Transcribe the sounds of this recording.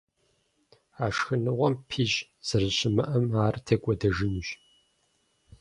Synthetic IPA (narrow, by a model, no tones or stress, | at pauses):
aːʂxɨnɨʁʷɔmpʰiːʑ | z̥ɨrɨɕɪmɐʔɐmaːrtʰɐkʷʼɔdɐʒɨnuʒ